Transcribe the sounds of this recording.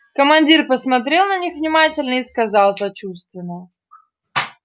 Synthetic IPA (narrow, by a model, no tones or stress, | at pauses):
kəmɐnʲdʲirpəsmɐt̪̬ɾʲe̞lˠnɐnʲixvnʲɪmatʲɪlʲnəiskɐzɑlˠsɐt͡ɕust̪vʲɪnːə